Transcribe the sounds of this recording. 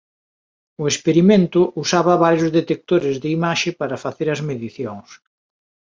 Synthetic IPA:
ʊespeɾimẽnt̪ʊʔusaβɐβaɾjʊzðet̪ek̚t̪oɾɪzðɪimaʃɪpaɾɐfaθeɾɐzmeðiθjoŋs

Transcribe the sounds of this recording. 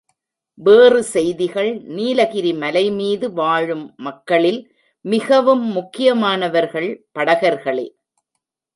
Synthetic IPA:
ʋeːrɯsɛjðɪɣɐɭniːlɐɣɪɾimɐlɐɪmiːðɯʋaːɻɯmːɐkːɐɭɪl | mɪɣɐʋɯmːʊkːɪjɐmaːnɐʋɐɾɣɐɭpɐɽɐɣɐɾɣɐɭḛː

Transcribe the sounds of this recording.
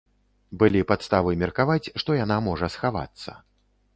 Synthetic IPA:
bɨlʲipat̪st̪avɨjmʲɛrkavat͡sʲʂt̪ɔjanamɔʐɐsxava̰t̪sːɐ̰

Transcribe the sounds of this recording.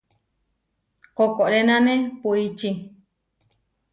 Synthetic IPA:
kokoɾenãnẽpuit͡ʃi

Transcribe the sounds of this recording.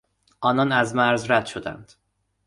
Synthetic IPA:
ʔɒːnɒnæzmæɾzɾæd̪̥ʃod̪æ̰nd̪̥

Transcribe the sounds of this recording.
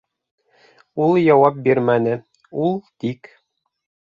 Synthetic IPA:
ulˠjɑwɑp̚biɾmænɘ | ulˠt̪ik

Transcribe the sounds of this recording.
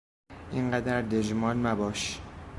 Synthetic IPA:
ʔiɴɢæd̪æɾd̪ed͡ʒmɒːnmæbɒːʃ

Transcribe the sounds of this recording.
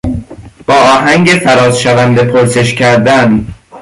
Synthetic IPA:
b̥ɒːʔɒːɦæŋɟefæɾɒːzʃævænd̪e̞pʰoɾse̞ʃcʰæɾd̪æn

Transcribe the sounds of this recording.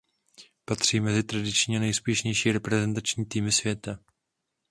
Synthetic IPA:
pat̪r̝̥iːmɛzɪt̪ɾadɪt͡ʃɲiːanɛjspjɛʃɲɛjʃiːɾɛpɾɛzɛnt̪at͡ʃɲiːt̪iːmɪsvjɛt̪a

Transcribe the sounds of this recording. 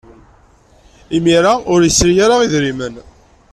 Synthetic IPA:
imiɾaʊɾjəsːɾijaɾaiðɾimən

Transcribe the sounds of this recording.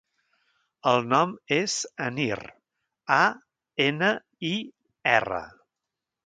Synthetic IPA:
əlˠnɔmez̥əniɾ | a | enə | i | ɛrə̰

